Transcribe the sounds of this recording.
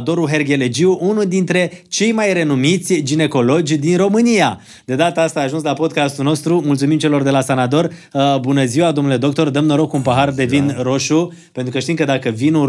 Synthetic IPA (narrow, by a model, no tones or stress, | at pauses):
t̪o̞ɾuɦe̞rɡʲe̞le̞d͡ʒiuʔunuld̪int̪ɾe̞t͡ʃe̞jmajre̞numit̪sʲd͡ʒine̞ko̞lo̞d͡ʒʲd̪inro̞mɨnia | d̪e̞d̪at̪əast̪aːʒunslapo̞d̪̚kast̪ulno̞st̪ɾumult̪sumimt͡ʃe̞lo̞rd̪e̞lasanat̪o̞rbunəziwad̪omnuled̪o̞k̚t̪o̞rd̪əmnəɾo̞kunpaɦard̪e̞vinro̞ʃu | pent̪ɾukəʃt̪imkəd̪akəvinu